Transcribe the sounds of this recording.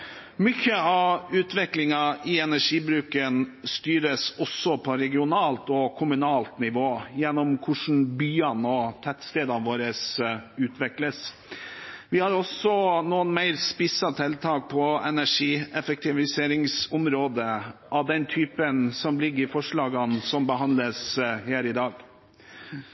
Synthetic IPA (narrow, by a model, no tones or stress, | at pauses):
mʏçəɑʉːt̪ʋɛklɪŋɑɪɛnæʂiːbɾʉːkənst̪yːɾəsɔsːɔpʰɔɾɛɡɪʊnɑːlt̪ɔkʰʊmʉnɑːlt̪nɪʋoːjɛnːɔmkʰʊʂn̩byːɑnɔt̪ʰæt̪st̪eːd̪ɑʋoːɾəsʉːt̪ʰʋɛkləs | ʋɪhɑɾɔsɔnuːənmæɪɾspɪsɑt̪ʰɛlt̪ʰɑːk̚pʰɔɛnæʂiːɛfək̚t̪ɪʋɪseːɾɪŋsʊmɾoːd̪əʔɑʋd̪ɛnt̪ʰyːpənsɔmlɪɡːəɾfɔʂɭɑːɡɑnsɔmbəhɑnd̪ləshæːɾɪd̪ɑːɡ